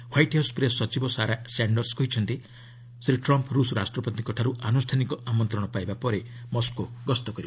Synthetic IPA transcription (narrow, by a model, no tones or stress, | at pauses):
wajʈawspɾessɔt͡ʃibɔsaɾasaɳɖɔɾskɔɦit͡ʃʰɔnt̪i | sɾiʈɾɔmpɾusɾa̰sʈɾɔpɔt̪ikɔʈʰaɾuʔanusʈʰanikɔʔamɔnt̪ɾɔɽ̃ɔpajbapɔɾemɔskoɡɔst̪ɔkɔɾiba